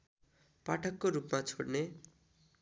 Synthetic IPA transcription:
paʈʰʌkːoɾupmat͡sʰoɽne

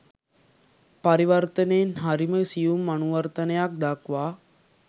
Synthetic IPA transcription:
pɐɾiʋəɾt̪əneːnɦaɾiməsijumːɐnuʋəɾt̪ənejak̚d̪akʋaː

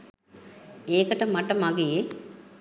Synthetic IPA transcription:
eːkəʈəmaʈɐmaɡee

